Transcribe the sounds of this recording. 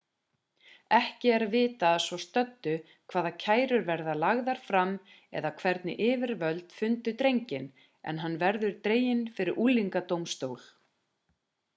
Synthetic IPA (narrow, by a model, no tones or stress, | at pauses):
ɛhcɪɛɾavɪːt̪aðsvɔst̪œt̪ːʏ | kʰv̥aːðacʰaːjɾʏɾvɛɾðalaɣðaɾ̥fɾam | ɛ̰ðakʰvɛɾt̪nɪ̰ʔɪːvɪɾvœlt̪fʏnt̪ʏt̪ɾejɲcɪn | ɛ̰nɦanːvɛɾðʏɾ̥t̪ɾeːjɪnfɪɾɪɾʔuːliŋkat̪owmst̪oːwl